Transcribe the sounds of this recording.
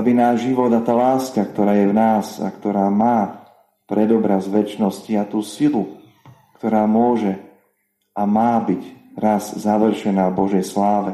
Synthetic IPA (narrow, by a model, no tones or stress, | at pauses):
abinaːʒʒiʋɔd̪at̪aːlaːskakt̪ɔɾaːjɛvnaːza̰kt̪ɔɾaːmaː | pɾɛd̪ɔbɾazʋɛt͡ʃnɔsciat̪uːsilu | kt̪ɔɾaːmʊɔʒɛ | amaːbiɟɾazzaʋr̩ʃɛnaːvbɔʒɛjslaːʋɛ